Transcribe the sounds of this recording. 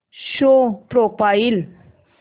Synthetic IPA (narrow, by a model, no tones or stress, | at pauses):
ɕopɾopail